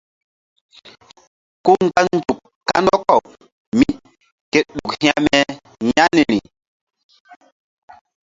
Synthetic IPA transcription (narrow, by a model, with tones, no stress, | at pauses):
ku˦ŋ˨ɡa˦n˨˦d͡ʒu˨kː | a˦ndɔ˦kɔ˦˨w | mi˦ | ke˦tɗu˨khĩ˦a˦mɛ˦ | ɲa˦ni˨ɾi˨